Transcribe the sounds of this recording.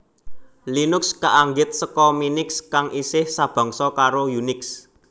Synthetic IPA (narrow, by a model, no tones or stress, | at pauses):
linʊkskaʔaŋɡɪt̪̚səkɔminɪkskaŋʔisɪhsab̥ɔ̤ŋsɔkaɾojunɪks